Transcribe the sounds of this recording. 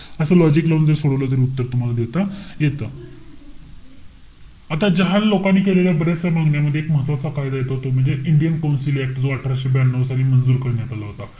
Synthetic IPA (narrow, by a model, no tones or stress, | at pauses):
əsəːlɔd͡ʑikləʋnd͡zəɾsoɽəʋlət̪əɾiut̪ːəɾt̪um̤alad̪et̪ajet̪ə | at̪ad͡ʑəɦallokanːiːkeleljabəɾasjamãŋɡɳjaməd̪ʱːjeekməɦət̪ʋat͡sakajd̪ajet̪aɦot̪om̤əɳd͡zeʔiɳɖijənkawnsilek̚ʈd͡zoəʈʰɾaɕibanːəʋsaliːmənd͡zuːɾkəɾɳjat̪alaɦot̪a